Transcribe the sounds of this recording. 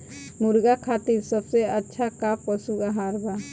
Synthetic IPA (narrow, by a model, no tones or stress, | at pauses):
muɾɡakʰat̪iɾsəbseətːʃʰakappɔsuɡaɦaɾba